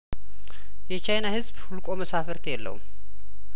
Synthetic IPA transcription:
jɛt͡ʃʰajnahɨzbhulkʼo̞məsafɨɾt̪ʰjɛlːə̰ṵm

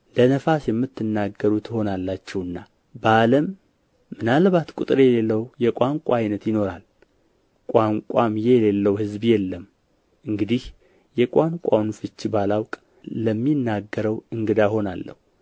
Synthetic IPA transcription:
lənəfasjɛmːɨt̪ʰːɨnːaɡːəɾut̪ʰɨho̞nalːat͡ʃːɛwɨnːa | baləmː | ɨnalβat̪kʼut̪ʼɾejɛlelːəwjɛkʼaŋkʷʼaːjnət̪jɪno̞ɾal | kʷʼaŋkʷʼamjejɛlelːəwhɨzbjɛlːəm | ʔɨŋɡɨd̪ih | jɛkʼaŋkʷʼawnfɨt͡ʃːbalawkʼ | ləmːinːaɡːəɾəwɨŋɡɨd̪ajho̞na̰lːə̰hu

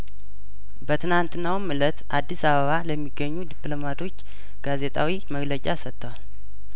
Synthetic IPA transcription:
bət̪ʰɨnant̪ʰɨnːawmːɨlət̪ʔad̪ːisaβəβaləmːiɡːəɲːud̪iplo̞mat̪ʰo̞t͡ʃː | ɡ̥aze̞t̪ʰʼawiməɡlət͡ʃʼasət̪ːəwal

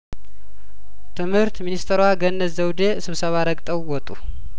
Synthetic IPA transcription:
t̪ʰɨmhɨɾt̪minist̪ʰəɾwaɡənːəəwd̪esɨβsəβaɾəkʼt̪ʼəwwɔt̪ʼːu

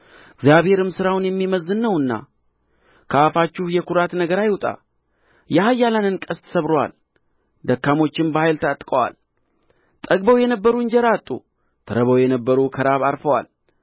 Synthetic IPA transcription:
ɡzijaβhe̞ɾɨmsɨɾawnjɛmːiməzːɨnːəwɨnːa̰ | kʰəafat͡ʃːɪhjɛkʰuɾat̪nəɡəɾajwt̪ʼa̰ | jahajːalanɨnkʼəst̪ʰə̥səβɾowa̰l | d̪əkːamo̞t͡ʃːɪmbəhajlt̪ʰət̪ʼkʼəwa̰l | t̪ʼəɡ̚bəwjɛnəbːəɾund͡ʒɛɾat̪ʼːṵ | t̪ʰəɾəβəwjɛnəbːəɾukʰəɾaβaɾfəwa̰l

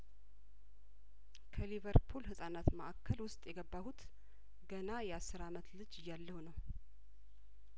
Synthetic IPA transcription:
kʰəlivəɾpʰulhɨsʼanat̪məʔakʰːəlwʊst̪ʼjɛɡəbːahut̪ | ɡənajɛasːɨɾamət̪lɨd͡ʒɨjːalːəhunəw

